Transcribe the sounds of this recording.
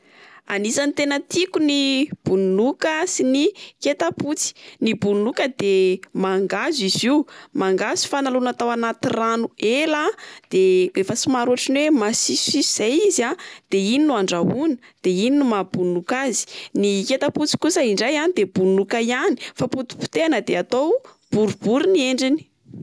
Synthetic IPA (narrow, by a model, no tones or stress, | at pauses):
a̰nisanit̪enət̪ikunib̥unnukəsiniket̪aput͡si̥nibunukəd̪emaŋɡaziziumaŋɡazi̥fanalunat̪awanat̪iranuelad̪̥eefəsimaɾuaʈ͡ʂinwemasisisuz̥ajizad̪̥eininuaɳɖ͡ʐaɦunə̥d̪̥eininumabunukazi̥niket̪aput͡si̥kusəiɳɖ͡ʐajanid̪eb̥ulnukajani̥faput̪i̥pu̥t̪eanəd̪eat̪ow | b̥uɾubuɾinieɳɖ͡ʐini̥